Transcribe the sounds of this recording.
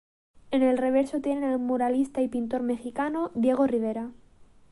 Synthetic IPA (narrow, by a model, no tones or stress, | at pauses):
ene̞lre̞β̞eɾsot̪je̞nenalmoɾalist̪aipint̪o̞ɾme̞xikanoðje̞ɣ̞oriβ̞eɾa